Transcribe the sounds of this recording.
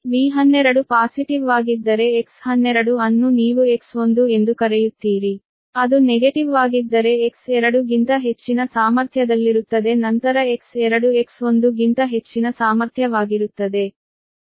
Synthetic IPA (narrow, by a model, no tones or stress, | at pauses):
ʋiːɦɐnːɛɾɐɽupaːsiʈiʋaːɡid̪ːɐɾe̞ːkshɐnːɛɾɐɽuɐnːuniːʋue̞kso̞nd̪ue̞nd̪ukɐɾejut̪ːiːɾi | ɐd̪uneɡeʈiʋaːɡid̪ːɐɾe̞ːksɛɾɐɽuɡint̪ɐɦe̞t͡ʃːinɐsaːmɐɾt̪ʰjɐd̪ɐlːiɾut̪ːɐd̪e̞nɐnt̪ɐɾɐeksɛɾɐɽue̞kso̞nd̪uɡint̪ɐɦe̞t͡ʃːinɐsaːmɐɾt̪ʰjɐʋaːɡiɾut̪ːɐd̪e̞